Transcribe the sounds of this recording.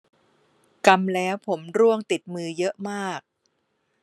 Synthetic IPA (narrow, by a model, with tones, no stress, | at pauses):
ka˧mlɛː˦˥wpʰo˩˦mɾu˥˩əŋt̪i˨˩t̪̚mɯː˧jɤ˦˥ʔmaː˥˩k̚